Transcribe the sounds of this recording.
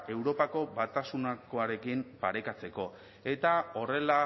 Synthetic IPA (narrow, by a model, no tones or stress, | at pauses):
e̞wɾo̞pako̞βat̪asunako̞aɾe̞kimpaɾe̞kat͡se̞ko̞ | e̞t̪ao̞re̞la